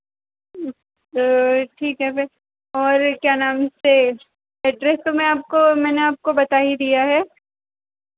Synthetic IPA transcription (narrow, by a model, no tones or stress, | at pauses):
oʈʰiːkɦɛbɛ | ɔːɾkjaːnaːmse | ɛɖɾɛst̪omẽaːp̚komɛːneaːp̚kobɐt̪aːid̪ijaɦɛː